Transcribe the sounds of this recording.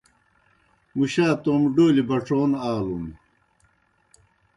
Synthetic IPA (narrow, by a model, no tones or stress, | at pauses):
muɕaːt̪oːmɖoːlibɐʈ͡ʂʰoːnaːlun